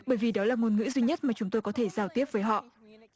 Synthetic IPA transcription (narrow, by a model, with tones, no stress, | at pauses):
ɓəː˧˩jvi˨˩ɗɔ˨˦laː˨˩ŋo˨˩nŋɨ̰˧˥zwi˧ɲə˦˥t̚maː˨˩t͡ɕʊ˨˦ŋ͡mt̪o˧jkɔ˨˦t̪ʰe˧˩zaː˨˩wt̪i˦˥əp̚vəː˨˦jɦɔ̰˧˨ʔ